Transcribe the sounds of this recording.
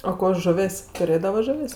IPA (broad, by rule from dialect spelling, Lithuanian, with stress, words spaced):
oː ˈkoː ˈʒʊʋʲeːsʲ tʊˈrʲeːdɐʋɐ ˈʒʊʋʲeːsʲ